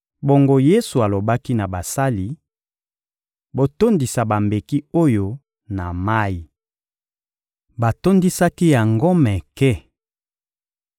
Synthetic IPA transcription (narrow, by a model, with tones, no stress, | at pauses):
bo˨ŋɡo˦je˦su˨a˨lo˨ba˦ki˦na˨ba˨sa˦li˨ | bo˨to˦ndi˨sa˨ba˨mbe˨ki˦o˦jo˨ | na˨ma˦i˨ | ba˨to˦ndi˦sa˦ki˦ja˨ŋɡo˦mɛ˨kɛ˦˨